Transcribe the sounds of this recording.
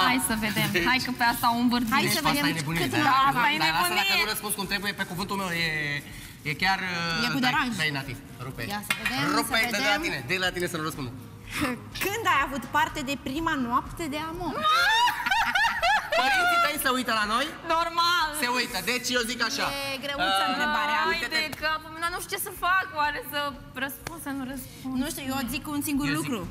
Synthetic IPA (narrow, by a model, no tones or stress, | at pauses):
ajsəve̞d̪emnajkəpeast̪aumbərd̪ajesəvaeajenebunit̪asajeebunaiəuɾəspunskumt̪ɾebujepekuvɨnt̪ulmewje | jekʲarjekkud̪eɾaʒejenat̪ḭs | ɾupeasved̪eɾued̪d̪elained̪elat̪inesənuɾəspund̪u | kɨnd̪ajavut̪part̪e̞d̪e̞pɾimanoapt̪ed̪e̞amo | oiifesəujt̪əlano̞jnormalseujt̪əd̪et͡ʃezikaʃaeɡɾeut̪ənt̪ɾebaɾeamed̪ekəpumenanuʃt͡ʃesəfakwaɾesə | ɾəspund̪sənuɾəspunnuʃt̪ijozikunsiŋɡurlukɾu